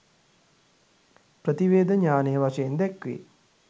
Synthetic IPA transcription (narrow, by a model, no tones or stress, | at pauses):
pɾət̪iʋeːd̪əɲaːnəjəʋaʂəjend̪ɛkʋḛː